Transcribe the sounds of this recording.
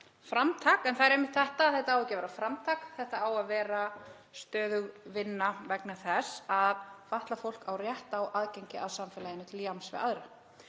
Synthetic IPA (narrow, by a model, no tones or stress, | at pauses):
fɾamt̪ʰaːkɛnθaðɛɾejmːɪht̪θɛht̪aθɛht̪aawɛcɪvɛɾafɾamt̪ʰaːkθɛht̪aaːwaðvɛːɾa | st̪œːðʏɣvɪnːavɛknaθɛsaðfaht̪lafowl̥kawrjɛht̪aːwʔaðcejɲcɪaðsamfɛːlajɪnːɪt̪ʰɪljamsvɪ̰ða̰ðɾɪ